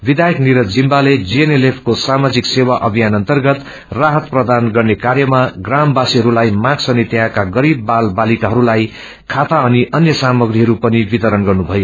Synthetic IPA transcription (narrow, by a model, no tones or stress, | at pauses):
bid̪ajʌkniɾʌd͡zimbaled͡zienelepʰkosamad͡ziksewaʔʌbʱijanʌnt̪ʌrɡʌt̪ | raɦʌt̪̚prʌd̪anɡʌrnekaɾjʌmaɡrambasiɦʌɾulajmãɡsʌnit̪jãkaɡʌɾibːalbalikaɦʌɾulaj | kʰat̪aʌniʔʌnjʌsamʌɡriɦʌɾupʌnibit̪ʌɾʌnɡʌrnubʱʌjo